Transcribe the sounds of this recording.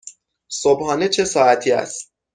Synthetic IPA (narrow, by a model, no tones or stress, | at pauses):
sobhɒːne̞t͡ʃʰe̞sɒːæt̪ʰiːæ̰st̪̚